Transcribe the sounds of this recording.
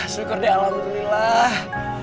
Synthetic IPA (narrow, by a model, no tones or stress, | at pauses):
sukʊrdialamdulilah